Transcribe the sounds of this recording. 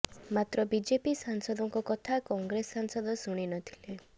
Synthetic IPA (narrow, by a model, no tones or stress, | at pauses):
mat̪ɾɔbid͡ʒepisaŋsɔd̪ʱɔŋkɔkɔt̪ʰakɔŋɡɾesːansɔd̪ɔsuɽ̃inɔt̪ʰi̥le